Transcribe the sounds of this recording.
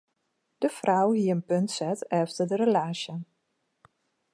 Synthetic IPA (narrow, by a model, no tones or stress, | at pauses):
d̥əfrʔawɦiəənpøntsɛtɛftərdərəlaːʃjə